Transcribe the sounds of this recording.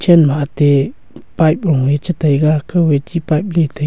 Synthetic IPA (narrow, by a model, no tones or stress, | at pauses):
t͡ʃenmat̪e | pajpoŋwet͡ʃət̪əjɡakəwet͡ʃipajp̚let̪ə